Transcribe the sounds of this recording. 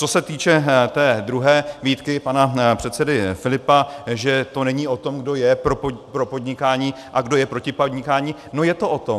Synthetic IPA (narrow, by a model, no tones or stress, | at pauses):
t͡so̞sɛt̪iːt͡ʃɛt̪ɛːd̪ɾuɦɛːviːt̪kɪpanapr̝̥ɛt̪sɛdɪfɪlɪpaʒɛt̪o̞nɛɲiːʔo̞t̪o̞mɡdo̞jɛpɾopopɾo̞po̞d̪ɲɪkaːɲiː | ʔaɡdo̞jɛpɾo̞cɪpod̪ɲɪkaːɲiː | nojɛt̪o̞ʔo̞t̪o̞